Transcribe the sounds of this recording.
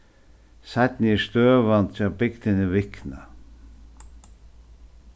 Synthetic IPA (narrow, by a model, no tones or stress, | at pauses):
sat̪nɪɛst̪øːvant͡ʃabɪkt̪ɪnɪvɪkna̰